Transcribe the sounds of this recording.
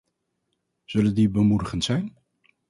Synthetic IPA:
z̥ɵləndibəmudəχəntsɛjn

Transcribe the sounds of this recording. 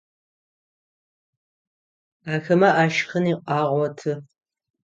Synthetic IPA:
aːxɐmɐʔaːʃxɐniːqʼɑːʁʷɔtʰɨ

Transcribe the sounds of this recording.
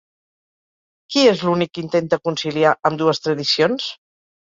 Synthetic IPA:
kiezlunikːint̪ent̪əkunsiliaʔəmd̪uəst̪ɾəðisions

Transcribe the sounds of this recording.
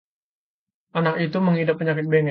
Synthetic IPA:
ʔanakit̪uməŋhidapːəɲakɪt̪̚beŋɛ

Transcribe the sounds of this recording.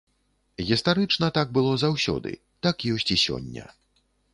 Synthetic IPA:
ɣʲist̪aɾɨt͡ʂnɐt̪aɡ̚bɨlˠɔzawsʲɔ̰d̪ɨ̰ | t̪akjɔsʲt͡sʲisʲɔ̰nʲːɐ̰

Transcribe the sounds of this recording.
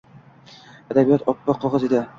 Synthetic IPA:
ad̪abijɒt̪ʰɒpːɑqʰːɒʁɑzed̪ɪ

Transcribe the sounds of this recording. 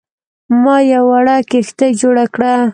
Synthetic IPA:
mɑjawaɽakext̪ad͡ʒoɽakɽa

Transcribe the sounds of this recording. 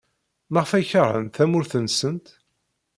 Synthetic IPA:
maʁfæçəʁə̰nθθæmʊɾθənsənt̪

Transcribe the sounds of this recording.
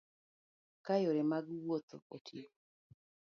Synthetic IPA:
kajoɾɛmaɡwot̪o̰otʰi

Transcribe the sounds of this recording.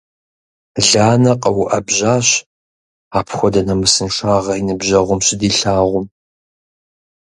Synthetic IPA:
ɮaːnɐqʼɐwʔɐbʑaːɕ | aːpʰxʷɔdɐnɐmɨsɨnʂaːʁɐinɨbʑɐʁʷʊmɕɪdiːɬaːʁʷʊm

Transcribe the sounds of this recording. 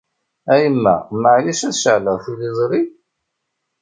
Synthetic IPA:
æjəmːæ̰məʕliʃæθʃəʕləʁθulizˤɾi

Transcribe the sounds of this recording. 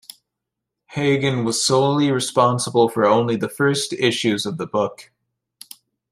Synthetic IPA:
heɪɡɨ̃nwʌz̥soʊlˠiɹɨspɑ̃nsəbl̩ˠfə˞õʊ̃nliðɨfɜ˞stɪʃʉzʌvðəbʊk

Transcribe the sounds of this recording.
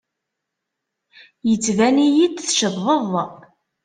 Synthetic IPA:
jət͡sːvænijid̪θʃəðəðˤ

